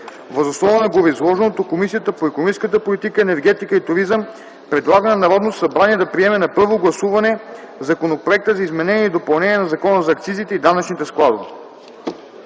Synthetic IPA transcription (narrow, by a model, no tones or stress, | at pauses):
vəzosnɔvənɐɡovizlˠɔʒɛnot̪okomisijət̪əpoɛkonmĩskət̪əpolit̪ikəɛnɛɾɡɛt̪ikəit̪ʊɾizəm | pɾɛd̪lˠaɡənɐnɐɾɔd̪not̪sɐbɾaniɛd̪ɐpɾiɛmɛnɐpɤɾvoɡlˠɐsuvɐnɛ | zɐkonopɾoɛk̚t̪əzɐizmɛnɛniɛid̪opɐlˠnɛniɛnɐzɐkɔnəzɐːkt̪sizit̪ɛid̪anɐt͡ʃnit̪ɛsklˠad̪ovi